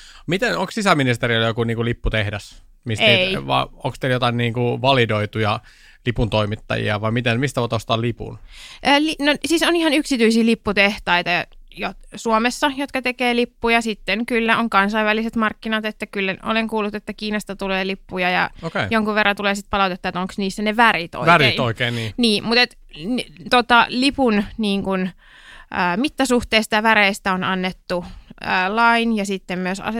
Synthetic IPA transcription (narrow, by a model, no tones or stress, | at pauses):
mit̪enoŋkssisæminist̪erioljokuniːŋkulipːut̪ehdæs | miseiʋɑ̰o̰ŋkst̪eljot̪ɑinniːŋkuʋɑlidoit̪ujɑ | lipunt̪oimit̪ːɑ̰jḭɑ̰ʋɑimit̪enmist̪æoˑt̪ost̪ɑːlipṵnʔøːlinosiːsonihɑnyksit̪yisiːlipːut̪eht̪ɑit̪ɑɑ̰josuomesːɑjot̪kɑt̪ekeːlipːujɑsit̪ːenkylːæoŋkɑnsɑiʋæliset̪mɑrkːinɑt̪et̪ːækylːæʔo̰leŋkuːlːut̪et̪ːækiːnɑst̪ɑt̪uleːlipːujɑjɑ̰okejoŋkuʋerːɑt̪uleːsit̪pɑlɑˑut̪et̪ːɑet̪oŋksniːsːæneʋærit̪o̰iæɾeːoikeːniːniːmut̪et̪ | nt̪ot̪ɑlipunniːŋkun | ʔəːmit̪ːæsuht̪eːsit̪ɑʋæɾeist̪æonɑnːet̪ːuəːlɑinjɑsit̪ːemmyøsɑ̰se